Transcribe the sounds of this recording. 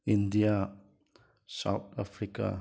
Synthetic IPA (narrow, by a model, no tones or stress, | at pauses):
ind̪ia | sa̰wt̪afɾika̰